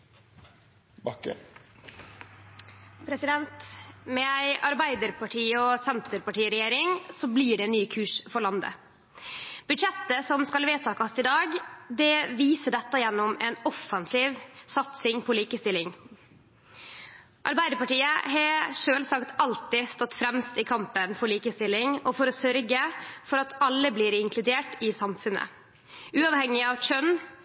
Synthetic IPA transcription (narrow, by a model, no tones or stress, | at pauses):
bɑkːə̰ | pʰɾɛsɪd̪ɛnt̪mɛæɪɑɾbæɪd̪əɾpɑʈʰiːɔsɛnt̪ʰəɾpɑʈiːəɾɛjeːɾɪŋsɔbliːɖɛnnːyːkʰʉːʂfɔɾɭɑnd̪ə̰ | b̥ʉd̪ʂɛt̪ːəsɔmskɑlʋeːt̪ʰɑːkɑsɪd̪ɑːɡd̪ɛʋiːsəɖɛt̪ːɑjɛnːɔmɛnɔfɑnsiːʋsɑt̪sɪŋpʰɔliːkəst̪ɪlːɪŋ | ʔɑ̰ɾbæɪd̪əpɑʈiːəhɑʂøːlsɑkt̪ʰɑlt̪ɪst̪ɔt̪ːfɾɛmst̪ɪkʰɑmpənfɔɭiːkəst̪ɪlːɪŋɔfɔɾɔsœɾɡəfɔɾɑt̪ʰɑlːəbliːɾɪŋkʰlʉd̪eːʈɪsɑmfʉnə̰ | ʔʉːɑːʋhɛŋːɪɑʋt͡ʃʰœn